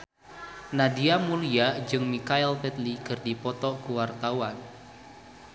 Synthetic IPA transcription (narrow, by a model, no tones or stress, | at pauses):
nadiamuliad͡ʒɨŋmikaɛlpɛt̪likɨrdipɔt̪ɔkuwart̪awan